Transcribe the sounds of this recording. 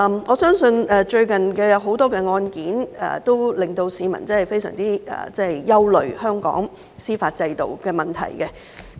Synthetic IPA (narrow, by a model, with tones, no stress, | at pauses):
mŋɔː˨˧˥sœː˥ŋsɵ˧nɛ˨t͡ʃɵ˧ɥkɐ˨nkɛː˧jɐ˨˧wɦo˨˥wt̪ɔː˥kɛː˧ŋɔː˧nkiː˨˥nɛ̰˨t̪o˥wlɪ˨˩ŋt̪o˧wsiː˨˧mɐ̰˨˩nt͡sɐ˥hɐ˨˩jfe˥jsœ̰ː˨˩ŋt͡siː˥ɛ̰ː˨˩t͡sɛ˥hjjɐ˥wlɵ˨ɥhœː˥ŋkɔ̰ː˨˥ŋ | siː˥faː˧t̚t͡sɐ˧jt̪o̰˨wkɛː˧mɐ˨˩nt̪ʰɐ̰˨˩jkɛ˧